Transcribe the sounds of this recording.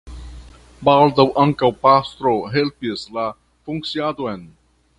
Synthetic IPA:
baːld̪ɐwʔɐŋkawpast̪ɾoɦelpiesla | fʊŋksijad̪oen

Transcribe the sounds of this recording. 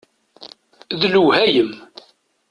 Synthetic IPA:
ðluhæjəm

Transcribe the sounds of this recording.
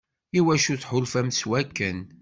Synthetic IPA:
iwæʃuθħʊlfæmswækːən

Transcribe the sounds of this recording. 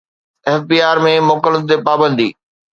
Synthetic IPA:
ɛːfbiːaːɾmẽmʊkələd̪̚t̪epaːbə̃nd̪ḭː

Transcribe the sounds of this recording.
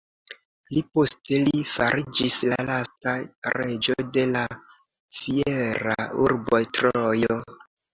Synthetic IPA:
lipo̞ste̞lifaɾʔid͡ʒislalastaɾe̞d͡ʒode̞lafieɾa̰uɾbo̞jtɾojo

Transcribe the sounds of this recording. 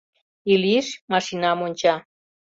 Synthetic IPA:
iliʃmɑʃinɑmonʲt͡ɕɑ

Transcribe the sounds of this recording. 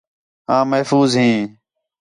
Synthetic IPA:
ãːməɦfuːzɦĩː

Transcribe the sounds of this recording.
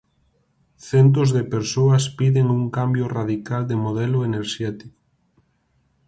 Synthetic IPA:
θɛnt̪̬ozðepeɾsoɐspiðeŋuŋkambjʊraðikald̪emoðɛlʊeneɾʃɛt̪iko̥

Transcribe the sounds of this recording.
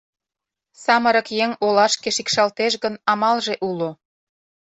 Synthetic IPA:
sɑməɾə̆kjeŋolɑʃkeʃikʃɑlt̪eʃɣənɑmɑlʒeʔulo

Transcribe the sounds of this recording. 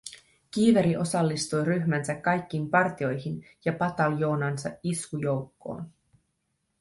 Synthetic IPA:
k̟iːʋeɾiʔo̞sɑlːist̪ujɾyçmænsækːɑjkːiːmpɑrt̪io̞jɦin | jɑpɑt̪ɑljo̞ːnɑnsɑ̰ʔiskujo̞wkːo̞̰ːn

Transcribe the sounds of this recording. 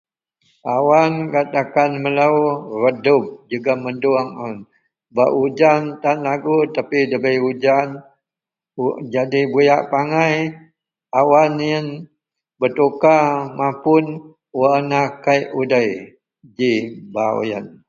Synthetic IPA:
awankat̪akanməlaurədʊp̚d͡ʒuɡamənduaŋən | baʔud͡ʒant̪anlaɡut̪apidəbəjud͡ʒan | ud͡ʒadibujaʔpaŋaj | awanijən | bət̪ukamãpʊn | wanakajudəj | d͡ʒibaw̰jə̰n

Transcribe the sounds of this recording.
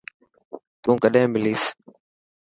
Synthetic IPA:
t̪ũːkəɗẽːmɪliːs

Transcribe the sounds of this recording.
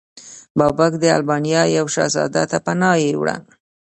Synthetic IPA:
bɑbakd̪əa̰lbɑnijɑjawʃɑ̰zɑ̰d̪a̰t̪apanɑjewɽa̰n

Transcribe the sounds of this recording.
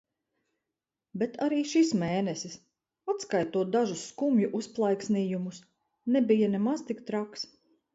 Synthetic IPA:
bɛt̪aɾiːʃismeːnɛsis | at̪skajt̪uɔd̪aʒusːkumjuʔusplˠajksniːjumus | nɛbijanɛmazt̪ikt̪ɾaks

